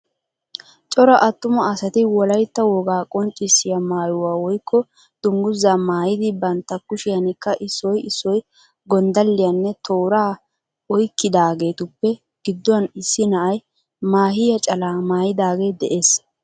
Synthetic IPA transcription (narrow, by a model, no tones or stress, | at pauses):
t͡ʃʼɔɾɐʔɐt̪ːʊmɐɐsɐt̪ɪwɔlɐjt̪ːɐwɔɡaːkʼɔnt͡ʃʼːɪsːɪjɐmaːjʊwaːwɔjkʰːɔ | d̪̥ʊŋɡʊzːaːmaːjɪd̪ɪbɐnt̪ːɐkʊʃɪjɐnɪkːɐʔɪsːɔjɪsːɔj | ɡɔnd̪ɐlːɪjɐnːɛt̪oːɾaː | ɔjkːɪd̪aːɡe̞ːt̪ʊpːɛ | ɡ̥ɪd̪ːɔwɐnɪsːɪnɐʔɐj | maːɦɪjɐt͡ʃʼɐlaːmaːjɪd̪aːɡe̞ːd̪ɛʔe̞ːs